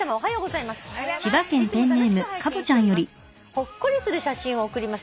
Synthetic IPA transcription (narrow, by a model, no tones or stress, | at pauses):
amaoɦajo̞ːɡo̞zaimasɨ̥t͡ɕibakẽ̞nt̪ẽ̞nːe̞ːmɯ̟kabɯ̟t͡ɕãɰ̃jo̞ɾʲi | ho̞kːoɾʲisɨɾɯ̟ɕaɕĩɰ̃ookɯ̟ɾʲimas